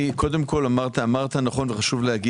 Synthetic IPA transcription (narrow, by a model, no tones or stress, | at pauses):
ikʰo̞d̪emkʰo̞lamaʁt̪aːmaʁt̪anaχo̞nveχaʃuvlehaɡi